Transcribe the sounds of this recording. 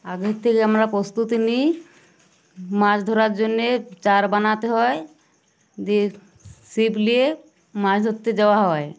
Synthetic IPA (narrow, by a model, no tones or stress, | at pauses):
aɡett̪ʰːekeamɾapɾɔst̪ut̪inij | mãd͡ʑd̪ʱoɾaɾd͡ʑonːet͡ʃaɾbanat̪eɦɔe | d͡ʒe | siplie | mãd͡ʑʰd̪ʱot̪ːed͡ʒawaɦɔe